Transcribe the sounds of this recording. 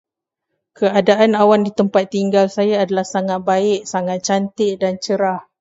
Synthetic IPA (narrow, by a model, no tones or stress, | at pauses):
kəadaʔanawandit̪əmpat̪ːiŋɡalsajaːdalahsaŋat̪̚baɪʔ̚saŋat̪̚t͡ʃant̪ɪʔdant͡ʃəɾah